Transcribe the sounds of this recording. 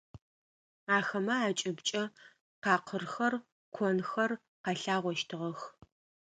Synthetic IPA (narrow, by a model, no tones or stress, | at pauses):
aːxɐmɐaːt͡ʃʼɪbt͡ʃʼɐ | qɑːqʰərxɐr | kʷʰɔnxɐr | qɑɬaːʁʷɔʃtʰɨʁɐx